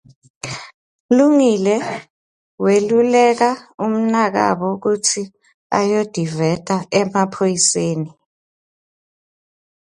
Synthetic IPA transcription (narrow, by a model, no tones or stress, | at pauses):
luŋilɛ | welulɛk̬aum̩nak̬a̰ɓɔk̬utʰi | a̰jod̥ʱivɛtʼaɛmapʰojiseːni